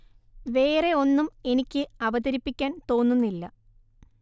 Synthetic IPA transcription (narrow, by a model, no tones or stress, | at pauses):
ʋe̞ːre̞o̞nːume̞nikʲːɨɐʋɐðɐɾipːikʲːaːnt̪o̞ːnːunːilːɐ